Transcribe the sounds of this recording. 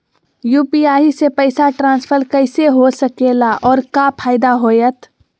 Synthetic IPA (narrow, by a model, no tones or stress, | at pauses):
juːpiaːisepəɪsaʈɾãːnspʰəɾkəɪseɦosəkelaʔɔːɾkapʰaːɪd̪aɦojət̪ʰ